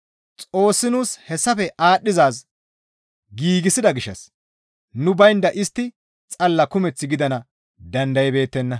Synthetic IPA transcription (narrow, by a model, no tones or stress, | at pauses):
t͡sʼo̞ːsːɪnuːshɛsːɐfɛʔaːɗːɪzaːs | ɡiːɡɪsɪd̪ɐɡɪʃːɐ̰s | nʊbɐjnd̪ɐʔɪst̪ːɪ | t͡sʼɐlːɐkʊmɛt͡sːɪɡɪd̪ɐnɐ | d̪ɐnd̪ɐjɛbe̞ːt̪ːɛnːɐ